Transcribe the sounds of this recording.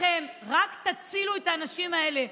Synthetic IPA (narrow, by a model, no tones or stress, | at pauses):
e̞mʁakt̪at͡siluet̪aːnaʃimae̞le̞